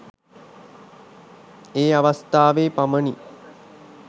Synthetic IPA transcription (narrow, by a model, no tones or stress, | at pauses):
eːaʋast̪aːʋeːpaməni